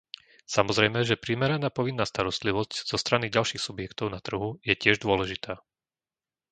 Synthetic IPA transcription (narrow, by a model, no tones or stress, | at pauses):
samɔzɾɛjmɛʒɛpɾiːmɛɾanaːpɔʋinːaːst̪aɾɔst̪liʋɔscz̥ɔst̪ɾaniɟalʃiːxsubjɛkt̪ɔʊnat̪r̩ɦujɛcɪɛʒd̪ʊɔlɛʒit̪aː